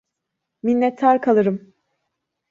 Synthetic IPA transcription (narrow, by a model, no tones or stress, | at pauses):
minːɛt̪ʰːaɾkʰalˠɯɾɯm